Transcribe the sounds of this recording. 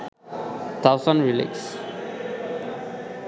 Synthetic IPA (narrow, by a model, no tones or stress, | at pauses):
t̪ʰawsə̃nɹilḭks